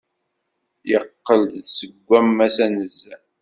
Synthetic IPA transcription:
jəqːəld̪ðsəɡʷːæmːæsænəzːæ

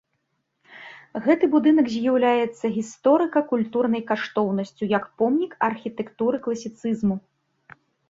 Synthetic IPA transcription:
ɣɛt̪ɨbud̪ɨnɐkzʲjawlʲajɛt̪sːɐɣʲist̪ɔɾɨkɐkulʲt̪urn̪ɐjkaʂt̪ɔwnɐsʲt͡sʲujɐkpɔmnʲikɐrxʲit̪ɛkt̪uɾɨklˠɐsʲit̪sɨzmu

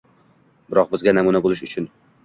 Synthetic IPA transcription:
bɪɾɒq̚bɪzɡʲanamunabolˠɪʃʊt͡ʃʰʊn

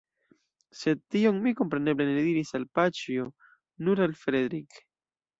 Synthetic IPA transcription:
set̪ioŋmikompɾeneβleneðiɾisalpat͡ʃjo | nuɾalfɾeðɾik

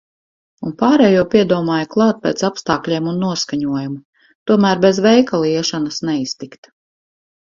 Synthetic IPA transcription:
unpaːɾɛjuɔpʲiɛd̪uɔmaːjaklˠɑːt̪̚pɛːt̪sapst̪ɑːklʲiɛmunːuɔskaɲuɔjumu | t̪uɔmæːɾbɛzvɛjkalˠiɛʃanɐsnɛist̪ikt̪

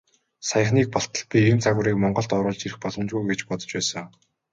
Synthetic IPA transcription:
sajə̆χniːk̚pɔɬt̪ə̆ɮpʲiernt͡sʰaɣʊ̆ɾiːk̚mɔɴɢɞ̆ɬt̪ɔɾʊ̆ːɮt͡ɕirɘ̆xpɔɮɞ̆mt͡ɕɣujɡet͡ɕpɔt̪ɞ̥̆t͡ɕpæːsə̆ŋ

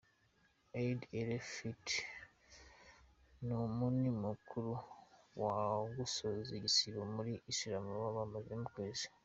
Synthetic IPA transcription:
eideɾefit | nomunimukʰuɾuwaɡusozeɟisiɾomuɾiʔːʃiɾamuβaβamazemukweːzi̥

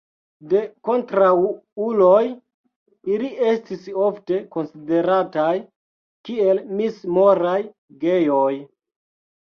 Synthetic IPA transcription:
de̞ko̞ntɾawuloj | ilie̞stiso̞fte̞ko̞nside̞ɾataj | kie̞lmismo̞ɾaj | ɡejoj

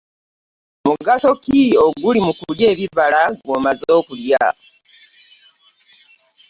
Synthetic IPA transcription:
muɡaso̞kioɡulimukulje̞ːβiβalaɡoːmazo̞ːkulja

